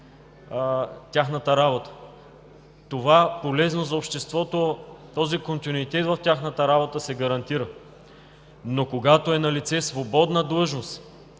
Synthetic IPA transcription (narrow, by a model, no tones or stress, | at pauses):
t̪ʲaxnət̪əɾabot̪ə̥ | t̪ovapolɛznozɐopʃt̪ɛst̪vɔt̪ot̪ɔzikont̪inuit̪ɛt̪vɐft̪ʲaxnət̪əɾabot̪əsɛɡɐɾɐnt̪iɾə | nokoɡat̪oɛnɐlit̪sɛsvobɔd̪nəd̪lˠɤʒnost̪